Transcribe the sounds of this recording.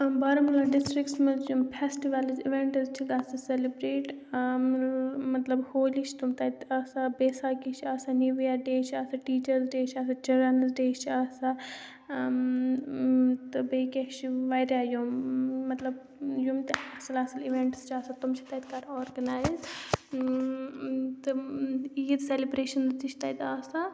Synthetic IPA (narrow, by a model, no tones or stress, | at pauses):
baːɾɐmɐlɐɖɪsʈɾɪkʈsmɐzjumpʰesʈiʋɐlziʋeɳʈzt͡ʃʰiɡasɐselibɾeːʈ | mɐt̪lɐbhoːliʃʰt̪umt̪ɐt̪aːsabeːsaːkit͡ʃʰaːsaniʋijaɖeːt͡ʃʰaːsaʈiːt͡ʃɐɾzɖeːt͡ʃʰasat͡ʃɐɾɐnzɖeːt͡ʃʰiaːsa | t̪ɨbekeʃiʋɐjɾʲajomːɐt̪lɐb | jumt̪aːsɐlasɐliʋeɳʈst͡ʃʰaːsat̪umt͡ʃʰit̪ɐt̪kaɾɔːɾɡɐnaːjz | t̪ɨjid̪selibɾeːʃɐnzt͡ʃ̪iʃʰt̪ɐt̪aːsa